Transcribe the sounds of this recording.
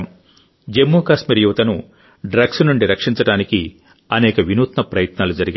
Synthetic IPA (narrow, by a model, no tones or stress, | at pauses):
d͡ʒemːuːkaːsmiːɾjuʋɐt̪ɐnu | ɖɾɐɡsnuɳɖiɾɐkʂiɲt͡ʃɐɽaːniki | ɐnɛːkɐʋinuːt̪nɐpɾɐjɐt̪naːlud͡ʒɐɾiɡi